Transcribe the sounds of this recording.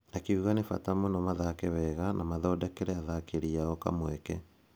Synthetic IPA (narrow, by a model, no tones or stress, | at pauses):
akeuɣanefa̰tamonɔmaðakɛβɛɣanʔamaðɔdakeɾɛaðakeɾiaɣɔka̰mwɛkɛ